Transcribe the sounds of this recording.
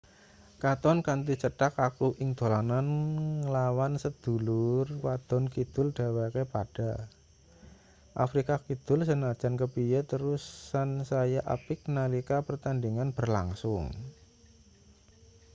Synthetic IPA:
kat̪ɔnkant̪it͡ʃəʈakakuʔɪŋd̪̥o̤lananəlawansəd̪̥ṳlʊrwad̪̥ɔ̤nkid̪̥ʊld̥a̤wakepad̥a | ʔa̰fɾikakid̪̥ʊ̤lsənad̥ʒ̥a̤nkəpijət̪əɾusːansajaʔa̰pɪk̚nalikapərt̪andiŋanb̥ərla̰ŋsʊ̰ŋ

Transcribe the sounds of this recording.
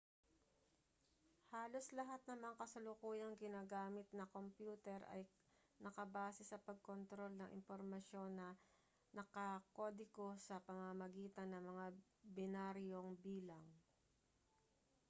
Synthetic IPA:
haːlo̞slɐɦat̪̚nɐmɐkɐsɐlʊkuːjɐŋɡɪnaːɡaːmɪt̪̚nɐko̞mpjuːt̪ɛɾʔɐ̰j | nɐkɐbaːsɛsɐpɐɡ̚ko̞nt̪ɾo̞lnɐŋʔɪ̰mpoɾmɐʃjo̞nːɐ | nɐkɐko̞ːd̪ɪko̞sɐpɐmɐmɐɡiːt̪ɐnːɐŋmɐŋa | bɪnaɾjo̞ŋbiːlɐŋ

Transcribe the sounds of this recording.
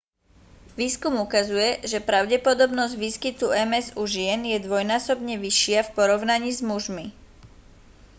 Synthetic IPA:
ʋiːskumukazujɛʒɛpɾaʊɟɛpɔd̪ɔbnɔzɟʋiːskit̪uɛmɛzuʒɪɛnjɛd̪ʋɔjnaːsɔbɲɛʋiʃɪafpɔɾɔʊnaɲiːzmuʒmi

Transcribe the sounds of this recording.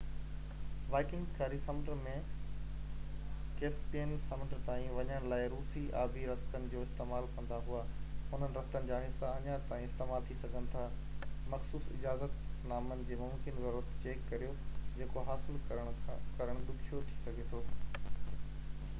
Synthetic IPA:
ʋaːɪkɪ̃ŋɡkʰaɾisɐmʈɾmẽ | keːspeːnsɐməɖəɾt̪aːĩʋɐɲəɽ̃laːɪɾuːsiʔaːbʱiɾɐst̪ənɪ̆d͡ʑoːɪst̪eːmaːlkɐ̃nd̪aɦʊaɦʊn̤ənɪɾɐft̪ənɪ̆d͡ʑaːɦɪsːaɐɲat̪aːĩɪst̪eːmaːlt̪ʰisɐɡʱənɪ̆t̪ʰa | mɐxsuːsɪ̰d͡ʑaːzət̪naːmənɪ̆d͡ʑeːmʊ̃mkɪnzɐɾuɾət̪t͡ɕeːkːɐɾijod͡ʑeːkoɦaːsɪləɽ̃kɐɾəɽ̃d̪ʊkʰijot̪ʰi̥sɐɡʱet̪ʰoː

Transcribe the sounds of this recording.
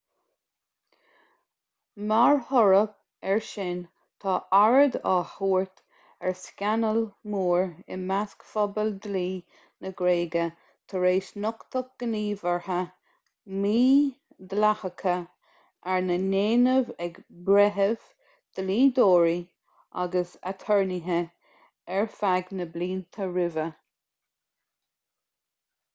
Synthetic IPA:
maɹhɔɹəp̚ | ɛɹʃɪn | t̪ʰɑːʔaɹəd̪a̰huːɹt̪ | ɛɹskʲanəlmuːɹɪ̰maskfɔbəld̪liː | nəɡɾeːɡə | t̪ʰəɹeːsnʊkt̪ʰək̚ɡ̥əniːvəɹhə | miː | d̪əlahəkʰə | ʔaɹnəneːnəvɛɡbɾɛɦəv̥ | d̪̥əliːd̪oːɹi | ʔa̰ɡəsa̰t̪ʰɔɹniɦə | ɛɹfaɡnəbliːnt̪ʰəɹɪvə

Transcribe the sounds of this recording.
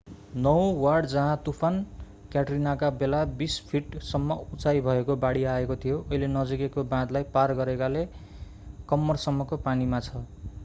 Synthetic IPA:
nʌwwarɽd͡zʌɦãt̪upʰan | kjaʈrinakabelabispʰiʈsʌmːʌut͡sajbʱʌekobaɽiaekot̪ʰijoʔʌɦilenʌd͡zikekobãd̪lajparɡʌɾekale | kʌmːʌrsʌmːʌkopanimat͡sʰʌ

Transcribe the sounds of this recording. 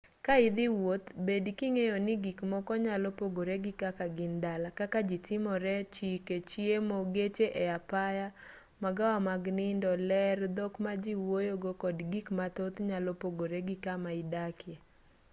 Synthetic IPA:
kaɪd̪ɪwot̪bedkiŋejonɪɡikmɔkɔɲalɔpoɡoɾeɡɪkakaɡɪndalakakad͡ʒitɪmɔɾɛt͡ʃiket͡ʃjemoɡet͡ʃeʔeapaja | maɡawamaɡnɪndɔlɛrd̪okmad͡ʒiwojoɡokɔdɡikmat̪ot̪ɲalɔpoɡoɾeɡɪkamaɪdakʰje

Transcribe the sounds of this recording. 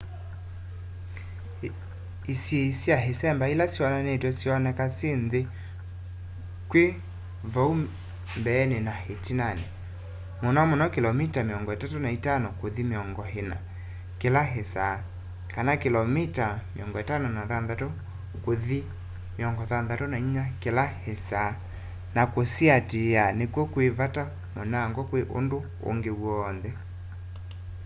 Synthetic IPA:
isjeisiaɦesɛmbailasjɔnanetɔsiɔnɛkasenðe | kwe | vɔu | mbɛːnenahetinanɛ | monɔmonɔkelɔmitameɔŋɡɔetatonaitanokoðimeɔŋɡɔɦena̰ | kelaɦesa | kanakelɔmitamḛɔŋɡɔetanonaðanðatɔ | koði | meɔŋɡɔðanðatɔnainakelahesa | nakosiateanekwɔkwevata | monaːŋɡɔkweʔo̰ndo | o̰ŋɡewɔːnðɛ

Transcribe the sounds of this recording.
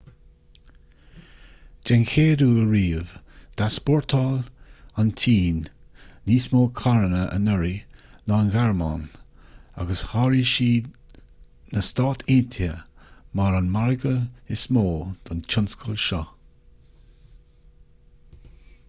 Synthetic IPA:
d͡ʒɛnkʰeːɾuːəɹiːvd̪̥aspɔɹt̪ʰɔlantʰiːnː | iːsmoːkʰaɹənəʔə̰nəɹinɔnɡaɹma̰n | a̰ɡəshaːɹiʃiː | nəst̪ɑːt̪ʰint̪ʰjəmaɾanmaɹɡəɪsmoːd̪̥ɔnt͡ʃʰʊnskʰəlʃɔ

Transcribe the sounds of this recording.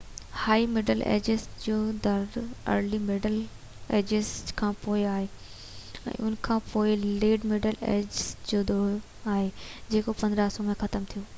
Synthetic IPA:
haːimeɖəlḛːd͡ʑesʈd͡ʑoːd̪ʱɐɾɐ̰ɾlimeːɖəl | ḛːd͡ʑeskʰãːpoːɪaːɦeː | ɛ̰̃ːʔʊnkʰãːpoːɪleːɖmeːɖəlḛːd͡ʑsd͡ʑoːd̪oːɽo | aːɦed͡ʑeːkopɐ̃nd̪ɾaːsõmẽxɐt̪əmt̪ʰijoː

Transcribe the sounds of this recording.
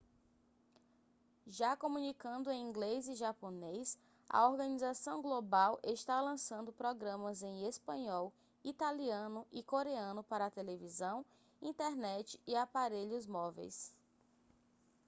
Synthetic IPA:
ʒakomũnikɐ̃nd̪ʊẽj̃ĩɡleziʒaponejs | ɐ̰oɾɡɐ̃nizasɐ̃w̃ɡlobawʔeʃt̪alɐ̃sɐ̃nd̪ʊpɾɔɡɾɐ̃mɐzẽj̃espɐ̃ɲɔw | it̪aliɐ̃nʊʔikoɾeɐ̃nʊpaɾɐːt̪elevizɐ̃w̃ | ĩt̪ɛɾnɛt͡ʃɪ̥iapaɾeʎʊzmɔvḛjs

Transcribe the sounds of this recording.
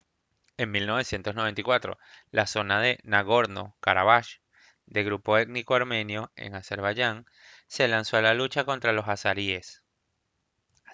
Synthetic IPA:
e̞ŋmilno̞β̞e̞sje̞nt̪o̞snoβe̞nt̪ikwat̪ɾo̞̰laso̞nað̞e̞naɣo̞ɾno̞̰kaɾaβaʃ | d̪e̞ɣɾupo̞et̪nikoaɾmẽ̞njo̞e̞̰ŋase̞ɾβaʝaŋ | se̞lanso̞alalut͡ʃako̞nt̪ɾalo̞sasaɾie̞s

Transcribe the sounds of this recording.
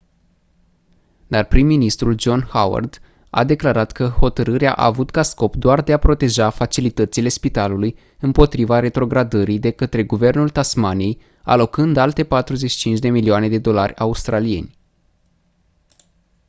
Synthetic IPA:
d̪arpɾimːinist̪ɾuld͡ʒo̞nhawa̰rd̪ | a̰d̪e̞klaɾat̪kəho̞t̪əɾɨɾea̰ʔa̰ːvut̪kasko̞pd̪oard̪e̞apɾo̞t̪e̞ʒafat͡ʃilit̪ət̪sile̞spit̪aluluj | ɨmpo̞t̪ɾivaɾe̞t̪ɾo̞ɡɾad̪əɾid̪e̞kət̪ɾe̞ɡuve̞rnult̪asmanije̞j | a̰lo̞kɨnd̪alt̪e̞pat̪ɾuze̞t͡ʃʃi̥t͡ʃint͡ʃd̪e̞milioane̞d̪e̞d̪o̞larʲaust̪ɾalije̞̰nʲ

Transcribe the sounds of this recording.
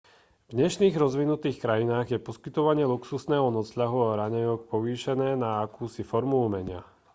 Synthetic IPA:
vɲɛʃniːɣɾɔzʋinut̪iːxkɾajinaːɣjɛpɔskit̪ɔʋaɲɪɛluksusnɛːɦɔnɔsʎaɦuaɾaɲɛɲɔk̚pɔʋiːʃɛnɛːnaːkuːsifɔɾmuumɛɲɪa̰

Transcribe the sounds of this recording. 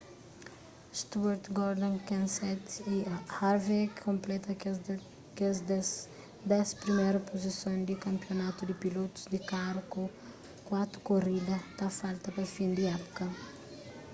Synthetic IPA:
st̪uaɾt̪ɡɔɾd̪ɐ̃nkãnsɛt̪iɐhaɾvɛkkõmplɛt̪ɐ | kezd̪ | d̪ɛspɾimejɾɐpozisõnd̪ikɐ̃mpjonat̪ud̪ipilot̪u̥zd̪ikaɾko | kwat̪ɾu̥korid̪ɐt̪afalt̪ɐpɐfĩnd̪iɛpu̥kɐ

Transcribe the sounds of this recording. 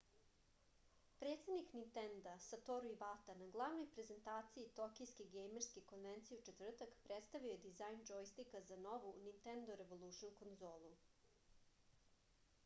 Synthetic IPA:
pɾe̞ːt̪sed̪niknint̪end̪asat̪oɾuiʋat̪anaɡlˠaʋno̞jpɾe̞ze̞nt̪aːt̪siit̪okijskeɡejmeɾskeko̞nʋent̪sijut͡ʃe̞t̪vr̩t̪akpɾet̪st̪aʋioed̪izajnd͡ʒojst̪ikazano̞ʋunint̪end̪oɾe̞ʋolˠuʃnuko̞nzoːlˠu

